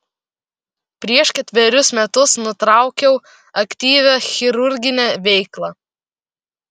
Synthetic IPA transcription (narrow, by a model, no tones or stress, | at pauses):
pʲɾʲiɛʃkʲɛt̪ʲʋʲɛɾʲʊsmʲɛt̪ʊsnʊt̪ɾɑˑʊkʲɛʊ | ɐkʲt̪ʲiːʋʲæxʲɪɾʊɾʲɡʲɪnʲæːʋʲɛɪklˠɑː